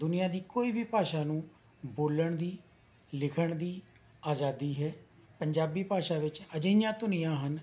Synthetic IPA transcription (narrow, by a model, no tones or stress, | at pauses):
d̪ʊnɪjãːd̪iːkoːiːbʱiːpaːʃaːnũː | boːləɳd̪iː | lɪkʰəɳd̪iː | aːd͡ʒaːd̪iːɦɛː | pəɲd͡ʒaːbiːpaːʃaːʋɪt͡ʃəd͡ʒəjãːt̪ʊnɪjãːɦən